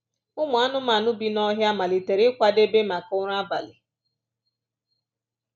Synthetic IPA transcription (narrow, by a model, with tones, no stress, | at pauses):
ʊ˦mʊ˨a˦nʊ˦ma˨nʊ˦bi˨˦nɔ˦ɦja˦ma˨li˨te˨ɾɪ˦kʷa˦de˦be˦ma˨kʊ˦ɾa˦ba˨lɪ˨